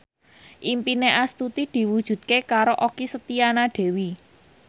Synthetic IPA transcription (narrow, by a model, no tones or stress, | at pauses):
ʔimpineʔast̪ut̪id̪̥i̤wud̥ʒ̥ṳt̪̚kekaɾoʔokisət̪ianaɖ̥e̤wi